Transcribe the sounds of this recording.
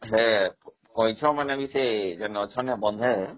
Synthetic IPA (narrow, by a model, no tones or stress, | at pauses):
ɦɛ | kɔjt͡ʃʰɔmanabised͡ʒanɔt͡ʃʰɔnɛbɔnd̪ʱɛ